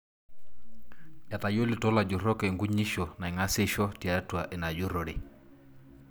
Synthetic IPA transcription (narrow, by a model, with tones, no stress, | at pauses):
ja˨ta˨jo˦lɪ˨tɔ˦la˨d͡ʒʊ˨ɾɔ˦kɛ˨ŋɡu˦ɲi˦ʃɔ˨na˨i˨ŋa˦sɪ˦ʃɔ˦ti˨a˨˦twa˨ʔɛ˨na˨d͡ʒʊ˦ɾɔ˨ɽe˨